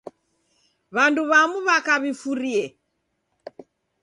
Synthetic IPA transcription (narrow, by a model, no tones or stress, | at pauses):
βanduβamuβakaβifuɾiɛ